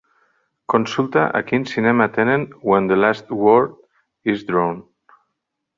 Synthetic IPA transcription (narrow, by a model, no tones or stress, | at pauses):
kõnsulˠt̪aʔa̰kinsinɛmat̪enẽnwɛ̃nd̪əlast̪wɔɾd | izd̪ɾõn